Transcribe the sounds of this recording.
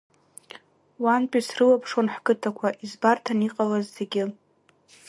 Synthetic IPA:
wanpʼisrɨlapʰʂonħkʼɨtʰakʷʰaʔizbartʰaniqʼalazːe̞ɡʲɪ

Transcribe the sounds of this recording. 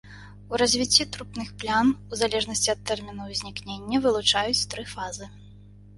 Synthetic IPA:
uɾɐzʲvʲit͡sʲːit̪ɾupnɨxplʲanuzalʲɛʐnɐsʲt͡sʲiɐt̪ːɛrmʲinuzʲnʲiknʲenʲːɐvɨlˠut͡ʂajut͡sʲt̪ɾɨfazɨ

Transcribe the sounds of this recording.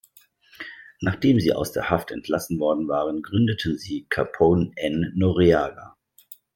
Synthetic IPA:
naːχd̥eːmziːʔa̰ʊsd̥eːɐhaftʰɛntʰlasn̩vɔɐdn̩vaːʁənɡʁʏndətʰn̩ziːkʰapʰonɛnːoʁiaːɡa

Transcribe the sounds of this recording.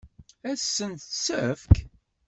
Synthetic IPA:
æsːənt̪səfk

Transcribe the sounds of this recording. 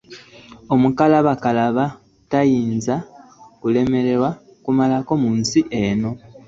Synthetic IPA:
o̞mukalaβakalaβa | tajiːnzakule̞me̞ɾe̞ɾwa | kumalako̞muːnsiʔeno̞

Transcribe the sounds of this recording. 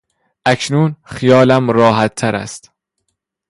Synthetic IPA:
ʔæcʰnuːnxijɒːlæmɾɒːɦæt̪ʰːæɾæ̰st̪

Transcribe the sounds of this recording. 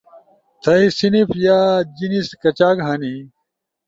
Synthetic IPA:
t̪ʰɐisinifjaːd͡ʑiniskɐt͡ɕaːkɦani

